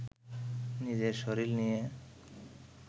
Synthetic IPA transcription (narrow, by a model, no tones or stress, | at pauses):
nid͡ʑeɾʃoɾilnije